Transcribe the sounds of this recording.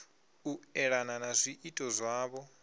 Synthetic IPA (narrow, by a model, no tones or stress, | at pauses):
uɛɺananazʷiʔitʼɔzʷaːβɔ